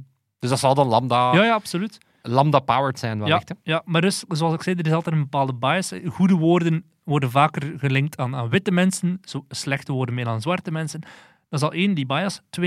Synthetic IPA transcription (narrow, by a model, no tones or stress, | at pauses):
d̥ɵzdɑtsɑlˠdɑnlɑmdajaːjaɑpsolyt | lɑmdapawəɹtsɛnʋɛjaxtjamaːrdɵszoɑlzɪksɛːdəɾɪsɑlˠtɛːtəmbəpaːlˠdəbajəsɣudəʋoːrdən | ʋɔrdənvaːkərɣəlɪŋk̚tʰaːnaːnʋɪtəmɛnsənz̥oslɛxtəʋoːrdənmɪːrdaːnzʋɑrtəmɛnsən | d̥ɑzɑlˠʔeːndibaːjəstwe